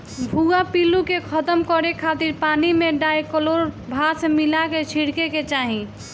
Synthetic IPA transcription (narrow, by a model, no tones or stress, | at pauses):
bʱuɡapilukekʰət̪əmkɔɾekʰat̪iɾpanimeɖaekəloɾbʱasemilaket͡ʃʰiɽkeket͡ʃaɦĩ